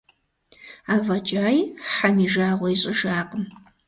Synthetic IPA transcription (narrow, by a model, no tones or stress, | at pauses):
aːvɐt͡ʃʼaːjħamiːʒaːʁʷɔjɕʼɪʒaːqʼəm